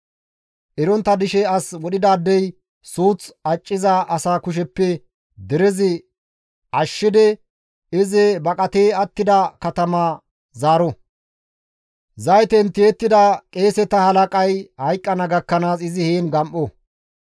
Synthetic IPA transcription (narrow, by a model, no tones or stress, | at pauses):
ʔɛɾɔnt̪ːɐd̪ɪʃɛɐswɔɗɪd̪aːd̪ːɛj | suːt͡sɐt͡ʃʼːɪzɐʔɐsaːkʊʃ̬ɛpːɛ | d̪ɛɾɛzɪ | ʔɐʃːɪd̪ɛ | ɪzɛbɐkʼɐt̪eːɐt̪ːɪd̪ɐkɐt̪ɐma | zaːɾɔ | zɐjt̪ɛnt̪jeːt̪ːɪd̪ɐkʼeːsɛt̪ɐhɐlɐkʼɐjhɐjkʼːɐnɐɡɐkːɐnaːsɪzɪheːnɡɐmʔɔ